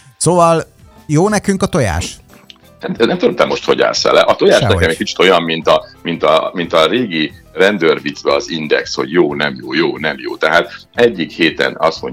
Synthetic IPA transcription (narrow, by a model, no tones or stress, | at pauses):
soːvɒl | joːnɛkyŋkɒt̪o̞ja̰ːʃ | ɛnɛmt̪ud̪omt̪ɛmːo̞ʃt̪ho̞̰ɟa̰ːlsɛ̰lɛ̰ʔɒt̪ojaːʃnɛkɛmɛc̚ʲkit͡ʃi̥t̪o̞jɒmːint̪ɒmint̪ɒmint̪ɒɾeːɡirɛnd̪ørvit̪vɛɒzind̪ɛ̰ksho̞̰ɟjoːnɛmjoːjoːnɛmjo̰ːt̪ɛɦaːt̪ɛɟːikheːt̪ɛ̰nɒsho̰ɲ